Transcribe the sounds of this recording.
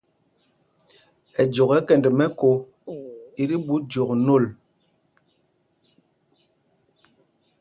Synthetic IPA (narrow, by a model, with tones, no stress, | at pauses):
ɛ˨d͡ʒo˨kɛ˦kɛ˨ndɛ˨mɛ˦ko˨ | i˦ɾi˦ɓu˦d͡ʒo˨kno˦˨l